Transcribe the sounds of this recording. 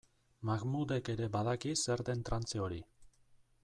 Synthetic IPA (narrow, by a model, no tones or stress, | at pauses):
maɣmud̪e̞ke̞ɾe̞baðakise̞ɾt̪e̞nt̪ɾant͡seo̞ɾi